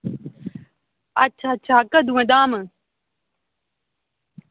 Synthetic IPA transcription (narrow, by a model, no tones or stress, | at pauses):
ɐtːt͡ɕʰaɕʰaːkɐd̪ũẽd̪aːmɨ